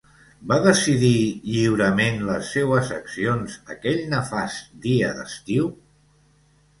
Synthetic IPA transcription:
baðəsiðiʎiwɾəmenləsːewəzəksionzəkɛʎnəfazd̪iəd̪ə̰st̪iw

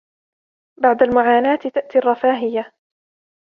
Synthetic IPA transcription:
baʕd̪almʊʕaːnaːt̪t̪aʔt̪iːɑrˤːɑfaːɦɪja

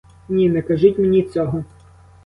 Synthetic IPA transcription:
nʲinɛkɐʒut̚ʲmenʲit͡sʲɔɦɔ

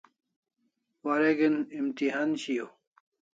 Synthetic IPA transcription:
waɾeɡenimt̪iɦaːnɕijo

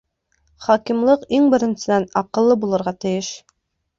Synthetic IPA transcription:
χɒkimlˠɤqiŋbɘ̆ɾɘ̆nsɘ̆d̪ænɑqɤ̆lˠːɤbulˠɤ̆ɾʁɑt̪ɘ̆jɘʃ

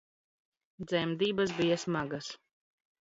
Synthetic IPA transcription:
d̪zʲɛmd̪iːbas̬bijasmaɡas

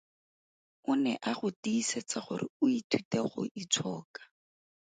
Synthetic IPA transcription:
ʊnɛʔaχʊtiːset͡saχʊ̰ɾɪ̰ʊitʰuteχʊ̰ʔit͡sʰɔːkḁ

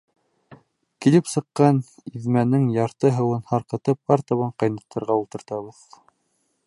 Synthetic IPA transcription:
kilɘpsɤ̆qːɑniðmænɘŋjɑɾt̪ɤɦɤ̆wɤnhɑɾqɤ̆t̪ɤp̚ɑɾt̪ɑβɑɴqɑjnɑ̆t̪ʰːɑ̆ɾʁɑulˠt̪ɤ̆ɾt̪ɑβɤð

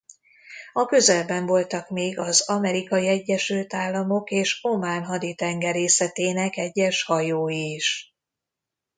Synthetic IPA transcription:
ɒkø̞zɛlbɛɱvo̞lt̪ɒkmeːɡɒzɒmɛɾikɒjiɛɟːɛʃylt̪aːlːɒmo̞keːʃomaːnɦɒd̪it̪ɛŋɡɛɾeːsɛt̪eːnɛkɛɟːɛʃhɒjoːjiːʃ

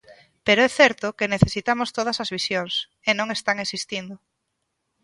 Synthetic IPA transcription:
peɾoɛθɛɾt̪ʊkeneθesit̪amost̪oð̞ɐsɐzβisjoŋs | enõŋest̪aŋesist̪ind̪ʊ

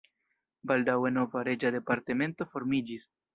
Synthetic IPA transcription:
baldawe̞no̞vaɾe̞d͡ʒade̞paɾte̞me̞nto̞fo̞ɾmid͡ʒis

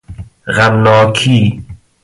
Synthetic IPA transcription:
ɣamnɔːkʰiː

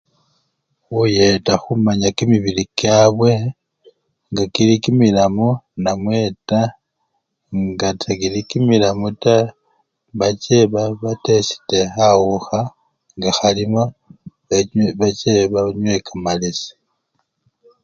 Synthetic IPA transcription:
ujetaxumaɲakimiβilikjaβwe̞ | ŋɡakilikimilamunamwe̞ta | ŋɡatʰakilikimilamuta | βat͡ʃe̞βaβate̞si̥te̞awuxa | ŋɡaxalimoβeβat͡ʃeβaɲwe̞kamalesi̥

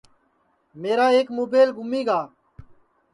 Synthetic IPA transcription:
meːɾaːeːkmoːbeːlɡʱʊmiːɡaː

